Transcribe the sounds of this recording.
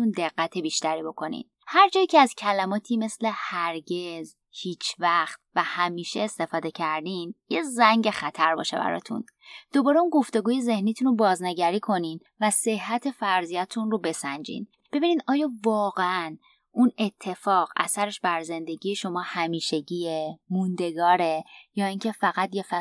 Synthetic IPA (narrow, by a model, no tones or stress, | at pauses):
und̪e̞ɣːæt̪ʰebiːʃt̪æɾiːbo̞kʰo̞nḭn | hæɾd͡ʒɒːjicʰeæzcʰælæmɒːt̪ʰiːme̞sle̞hæɾɟe̞z | hiːt͡ʃʰvæxt̪̚væhæmiːʃeːst̪e̞fɒːd̪e̞cʰæɾd̪iːnjezæŋɟexæt̪ʰæɾbɒ̰ːʃe̞bæ̰ɾɒ̰ːt̪ʰṵn | d̪̥o̞bɒːɾeunɡo̞ft̪e̞ɡuːje̞ze̞hniːt̪ʰunobɒːzneɟæɾiːkʰo̞nin | væse̞hɦːæt̪ʰe̞fæɾzijæt̪ʰunɾobe̞sænd͡ʒḭːn | b̥e̞biːniːd̪ɒːjɒːvɒːɣeæn | ʔune̞t̪ʰːe̞fɒːɣæ̰sæɾe̞ʃbæɾze̞nd̪e̞ɟijeʃo̞mɒːhæmiːʃe̞ɟiːjemund̪e̞ɡɒːɾe̞jɒːiŋcʰe̞fæɣæt̪jefæ